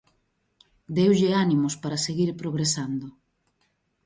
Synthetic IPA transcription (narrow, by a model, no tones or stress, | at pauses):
d̪ewʎɪanimʊspaɾaseɣiɾpɾoɣɾesand̪o